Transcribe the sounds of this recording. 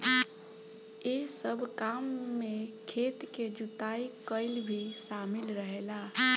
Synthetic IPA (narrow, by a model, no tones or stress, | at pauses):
esəbʱkamːẽkʰeːt̪ked͡ʒut̪aikəɪlbʱisaːmɪlɾəɦelaː